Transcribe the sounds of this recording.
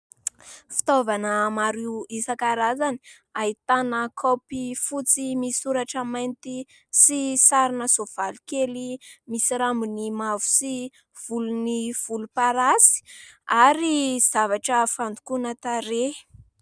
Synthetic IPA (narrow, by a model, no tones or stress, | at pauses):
fi̥t̪ovanəmaɾiwisakaɾazani̥ | ait̪anəkʰopifut͡simisuɾaʈ͡ʂəmajnt̪i | sisaɾinəz̥ov̥alikelimisiɾambunimavu̥si | v̥uluniv̥ulupaɾasi̥aɾiz̥avaʈ͡ʂəfand̪u̥kunət̪aɾe̥